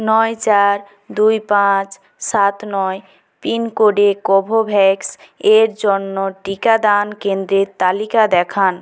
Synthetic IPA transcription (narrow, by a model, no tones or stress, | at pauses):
nɔet͡ɕaɾ | d̪ujpãt͡ɕ | sat̪nɔe | pinkoɖekobʱobʱɛkseɾd͡ʑonːoʈikad̪ankend̪ɾet̪alikad̪ɛkʰan